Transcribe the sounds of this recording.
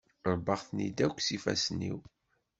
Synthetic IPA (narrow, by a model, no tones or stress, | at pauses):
ɾˤbəʁθnid̪ækʷːsifæ̰snːḭw